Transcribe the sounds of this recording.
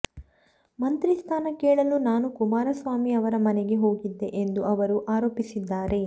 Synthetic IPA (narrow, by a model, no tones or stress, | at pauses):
mɐnt̪ɾist̪ʰaːnɐkeːɭɐlunaːnukumaːɾɐsʋaːmiɐʋɐɾɐmɐnɛɡe̞ɦo̞ːɡid̪ːe̞ʔend̪uɐʋɐɾuʔaːɾo̞ːpisid̪ːaːɾe̞